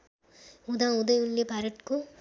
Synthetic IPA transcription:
ud̪aːud̪ɐjulːepaɾɐʈku

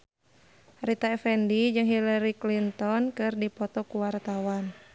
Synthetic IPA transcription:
rit̪aɛfɛndid͡ʒɨŋɦilaɾiklint̪ɔnkɨrdipɔt̪ɔkuwart̪awan

